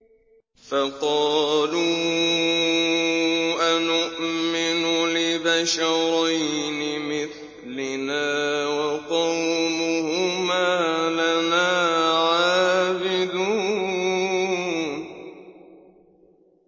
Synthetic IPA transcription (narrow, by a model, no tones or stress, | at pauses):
faqɑːluː | ʔanʊʔmɪnʊlɪbaʃɑɾˤɑjnɪmɪθ | lɪnaːwɑqɑwmʊhʊmaːlanaːʕaːbɪd̪uː